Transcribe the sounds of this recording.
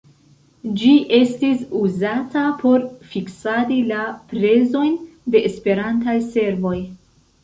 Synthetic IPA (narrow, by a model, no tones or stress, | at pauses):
d͡ʒiʔe̞stisuzatapʰo̞ɾfiksaɾilapɾe̞zo̞jnde̞ʔːspe̞ɾantajse̞ɾvo̞j